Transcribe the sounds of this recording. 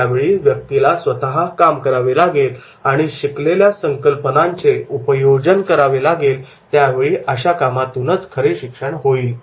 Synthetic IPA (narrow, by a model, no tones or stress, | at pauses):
aʋeɭiːʋjək̚t̪ilasʋət̪aɦakamkəɾaʋelaɡel | aɽ̃iɕikleljasəŋkəlpənaɲt͡seupəjod͡zənkəɾaʋelaɡel | t̪jaʋeɭiːʔəɕakamat̪unət͡skʰəɾeɕikʂəɽɦoiːl